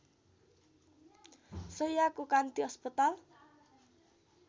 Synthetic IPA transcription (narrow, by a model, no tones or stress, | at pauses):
sojakukant̪iɔspit̪al